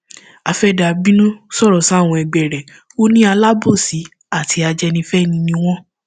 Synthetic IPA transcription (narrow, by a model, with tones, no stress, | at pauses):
a˧fɛ˦da˧bi˦nũ˦sɔ˦˨ɾɔ˨sa˨˦˨w̃ɔ̃˧ɛ˨ɡ͡bɛ˨ɾɛ˨ | o˦nĩ˦a˧la˦bo˦˨si˨˦ | a˦˨tʰi˧a˧d͡ʒɛ˧nĩ˧fɛ˦˨nĩ˧nĩ˧w̃ɔ̃˦